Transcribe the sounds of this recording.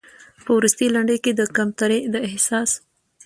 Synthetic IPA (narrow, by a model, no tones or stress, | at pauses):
pəwɾust̪ilaɳɖəjked̪əkamt̪aɾed̪əɪhsɑs